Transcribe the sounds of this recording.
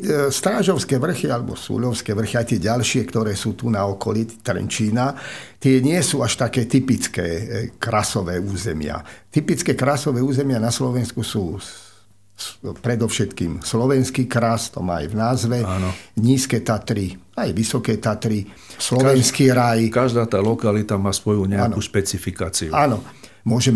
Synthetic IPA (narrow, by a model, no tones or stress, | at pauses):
st̪ɾaːʒɔʊskɛːʋr̩xialɛbɔ̰sṵːʎɔʊskɛːʋr̩xiajt̪ɪɛɟalʃɪɛkt̪ɔɾɛːsuːt̪unaɔkɔlit̪ɾɛ̰nt͡ʃiːnat̪ɪɛɲɪɛsuːaʃt̪akɛːt̪ipit͡skɛːkɾasɔʋɛːuːzɛmɪa̰t̪ipit͡skɛːkɾasɔʋɛːuːzɛmɪanaslɔʋɛnskusuː | pɾɛd̪ɔʊʃɛt̪kiːmslɔʋɛnskiːkɾast̪ɔma̰ːa̰jvnaːzʋɛanɲiːskɛːt̪at̪ɾiajʋisɔkɛːt̪at̪ɾi | slɔʋɛnskiːɾajkaʒd̪aːt̪aːlɔkalit̪amaːsʋɔjuɲɛaanuʃpɛt͡sifikaːt͡siuanɔ | mʊɔʒɛm